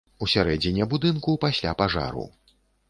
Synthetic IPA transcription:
usʲaɾɛd͡zʲinʲɛbud̪ɨnkupasʲlʲapaʐa̰ɾṵ

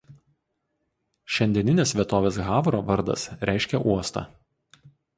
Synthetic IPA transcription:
ʃʲɛnʲd̪ʲiɛnʲɪnʲesʋʲiɛt̪oːʋʲeːs̬ɣɑːʋɾoːʋɐɾd̪ɐ̰sɾʲæˑɪʃʲkʲɛʔuɔst̪ɑ̰ː

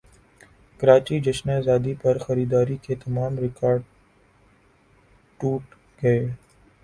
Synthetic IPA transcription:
kɐɾaːt͡ʃid͡ʒɐʃnezaːd̪ipɐɾxɐɾiːd̪aːɾiket̪ɐmaːmɾɪkaːɾɖ | ʈuːʈ | ɡɐeː

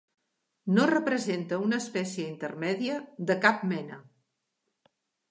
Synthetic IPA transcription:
norəpɾəzent̪əunəːspɛsjəint̪əɾmɛðiəðəkap̚mɛnə

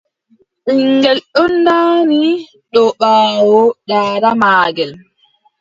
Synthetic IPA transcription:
ʔiŋɡɛlɗɔnːdaːni | ɗɔɓaːwɔɗaːɾamaːɡɛl

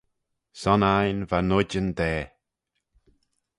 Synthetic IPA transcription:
sɔnajnvanʊd͡ʒənd̪ɛː

